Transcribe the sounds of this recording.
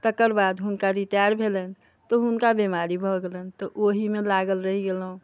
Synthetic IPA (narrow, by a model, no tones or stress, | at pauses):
t̪əkəɾbad̪ɦunkaɾiʈajəɾbʱelən | t̪ɔɦunkabimaɾibʱɔɡelənt̪ɔʔoɦimelaɡəlɾəɦiɡelɦũ